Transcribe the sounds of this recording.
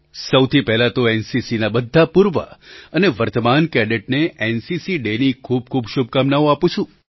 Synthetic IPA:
səwt̪ʰipɛɦlat̪oensisinabəd̪ʱːapuɾʋə̰əneʋəɾt̪əmankɛɖeʈ̚neensisiɖenikʰub̚kʰubʃub̚kamnaõapũt͡ʃʰũ

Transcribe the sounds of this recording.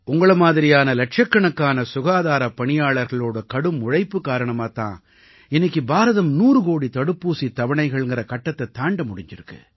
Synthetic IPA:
ʊŋɡɐɭɐmaːðɪɾɪjaːnɐlɐʈ̚ʂɐkːɐɳɐkːaːnɐsʊɣaːðaːɾɐpɐɳɪjaːɭɐɾɣɐɭoːɽɐkɐɽɯmːʊɻɐɪpːɯkːaːɾɐɳɐmaːt̪ã̰ː | ɪnːɪkːɯbaːɾɐðɐmnuːɾɯɣoːɽit̪ɐɽɯpːuːsit̪ɐʋɐɳɐɪɣɐɭŋɡɪɾɐkɐʈːɐt̪ːɐt̪ːaːɳɖɐmʊɽɪɲd͡ʒɪɾɯkːɯ̰

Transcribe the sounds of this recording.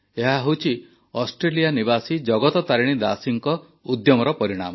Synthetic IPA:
eɦaɦewt͡ʃʰi | ɔsʈɾelianibasid͡ʒɔɡɔt̪ɔt̪aɾiɽ̃id̪asiŋkɔ | ud̪jɔmɔɾɔpɔɾiɽ̃a̰mɔ

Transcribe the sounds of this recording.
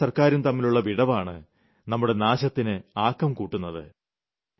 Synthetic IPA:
sɐrkaːɾunt̪ɐmːiluɭːɐʋiɽɐʋaːɳɨ | nɐmːuɽe̞naːɕɐt̪ːinɨaːkːɐmkuːʈːunːɐðɨ̰

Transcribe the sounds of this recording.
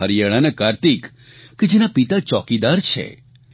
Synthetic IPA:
əɾjaɭanekaɾt̪ikː | ed͡ʒenapit̪at͡ʃɔkid̪aɾt͡ʃʰḛ

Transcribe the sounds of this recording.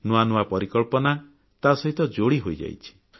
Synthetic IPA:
nuanuapɔɾikɔɭpɔna | t̪asɔɦit̪ɔd͡ʒoɽiɦojd͡ʒa̰jt͡ʃʰi̥

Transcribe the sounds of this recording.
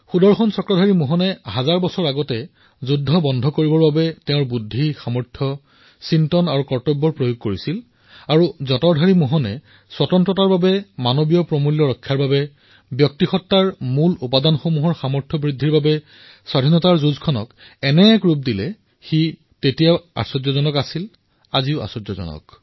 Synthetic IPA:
xudɔɹxɔnsɔkɹɔdʱaɹimuɦɔnɛɦazaɹbɔsɔɹaɡɔtɛ | zudʱːɔbɔndʱɔkoɹibɔɹbabɛtɛ̃ʊ̃ɹbudʱːixamɔɹtʰɔ | sintɔnaɹukɔɹtɔbːɔɹpɹojoɡ̚koɹisil | aɹuzɔtɔdʱaɹimuɦɔnɛ̰ | swatɔntɹɔtaɹbabɛmanobijɔpɹɔmuljɔɹɔkʰːjaɹbabɛ | bjɔk̚tixɔtːaɹmulupadanxomuɦɔɹxamɔɹtʰɔbɹidʱːiɹbabɛ | swadʱinɔtaɹzuzkʰɔnɔ̰k | ɛnɛkɹup̚dilɛ | xi | tetijaa̰sɔdzɔzɔnɔkasil | aziʊʔa̰sɔdzɔzɔ̰nɔ̰k

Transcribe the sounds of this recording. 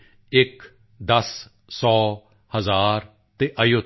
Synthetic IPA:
ɪk | d̪əs | sɔː | həzaːɾ | t̪eːʔəjo

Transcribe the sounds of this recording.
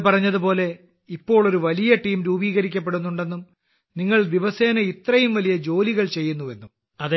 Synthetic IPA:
pɐrɐɲːɐðupo̞ːle̞ | ipːo̞ːɭoɾuʋɐlijɐʈiːmɾuːbiːɣɐɾik̬ʲːɐp̬ːe̞ɽunːuɳɖe̞nːum | niŋːɐɭd̪iʋɐseːnɐit̪rɐjumʋɐlijɐd͡ʑo̞ːliɣɐɭt͡ɕe̞jːunːue̞nːum | ɐð

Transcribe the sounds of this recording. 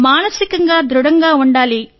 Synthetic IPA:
maːnɐsikɐŋɡaːd̪ɾuɽɐŋɡaːuɳɖaːli

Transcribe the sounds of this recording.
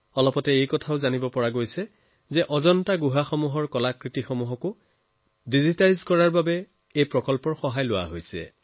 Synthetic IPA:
ɔlɔpɔtɛejkɔtʰaʊzanibɔpɔɹaɡojsɛ | zɛʔɔzɔntaɡuɦaxɔmuɦɔɹkɔlakɹitixɔmuɦɔkʊ | dizitajzkɔɹaɹbabɛ | ejpɹɔkɔlpɔɹxɔɦajlʊwa̰ɦojsɛ̰

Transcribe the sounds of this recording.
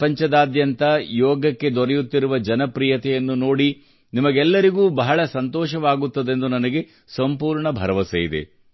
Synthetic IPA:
pɐɲt͡ʃɐd̪aːd̪jɐnt̪ɐjɔːɡɐkːe̞d̪ɔɾɛjut̪ːiɾuʋɐd͡ʒɐnɐpɾijɐt̪ɛjɐnːuno̞ːɽi | nimɐɡɛlːɐɾiɡuːbɐɦɐɭɐsɐnt̪ɔːʃɐʋaːɡut̪ːɐd̪e̞nd̪unɐnɐɡe̞ | sɐmpuːɾɳɐbʱɐɾɐʋɐsejid̪ḛ

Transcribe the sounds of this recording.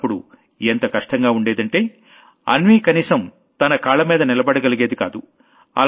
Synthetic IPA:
pːuɽṵ | ent̪ɐkɐʂʈɐŋɡaːuɳɖe̞ːd̪ɐɳʈe̞ː | ɐ̰nʋiːkɐniːsɐm | t̪ɐnɐkaːlɐmiːd̪ɐnilɐbɐɽɐɡɐliɡeːd̪ika̰ːd̪u | ɐ̰l

